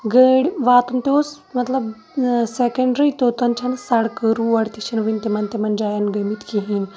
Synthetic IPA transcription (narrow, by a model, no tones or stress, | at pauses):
ɡəːɽʋaːt̪unt̪oːs | mɐt̪lɐb | sekɐɳɖɾit̪oːt̪ɐnt͡ʃʰɐnsɐɽkəɾuɐɽt̪iʃɐnʋinʲt̪emɐnt̪emɐnd͡ʒaːjɐnɡɐmit̪kiɦin